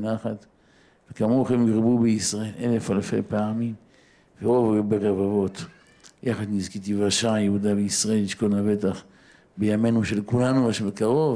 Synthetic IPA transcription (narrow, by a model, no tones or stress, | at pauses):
naχat̪ | vekamoχemɡʁbubeisʁae̞le̞le̞falfḛpeamim | veʁo̞vbeʁevavo̞t̪ | jaχad̪nizkit̪̬ivaʃajehud̪abeisʁae̞lːiʃko̞nave̞t̪aχ | bejame̞nuʃe̞lkulanuaʃmekaʁo̞v